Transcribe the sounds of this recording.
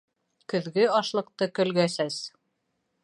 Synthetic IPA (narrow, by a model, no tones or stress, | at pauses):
kɵ̆ðɡɘɑʃlˠɤ̆q̚t̪ɤkɵ̆lɡæsæs